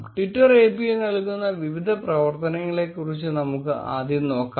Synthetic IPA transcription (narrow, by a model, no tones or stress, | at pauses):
ʈiʈːɐreːpienɐɭkːunːɐʋiʋid̪ʱɐprɐʋɐrt̪ɐnɐŋːɐɭe̞kːurit͡ɕːɨnɐmukːɨʔa̰ːd̪ʱjɐno̞ːkːa